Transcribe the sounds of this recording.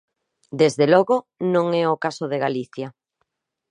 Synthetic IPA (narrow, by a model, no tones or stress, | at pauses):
d̪ezðelɔɣo | nõŋɛokasoðeɣaliθja